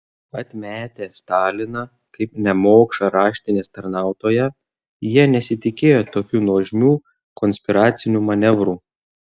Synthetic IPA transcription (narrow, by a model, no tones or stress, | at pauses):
ɐt̪ʲmʲæːt̪ʲeːst̪ɑːlʲɪnɐ | kɐɪpnʲɛmoːkʃɐɾɑːʃʲt̪ʲɪnʲeːst̪ɐɾnɑˑʊt̪oːjɛ | jiɛnʲɛsʲɪt̪ʲɪkʲeːjoːt̪oːkʲuːnɔːʒʲmʲuː | kɔnʲsʲpʲɪɾɑːt̪sʲɪnʲuːmɐnʲɛʋɾuː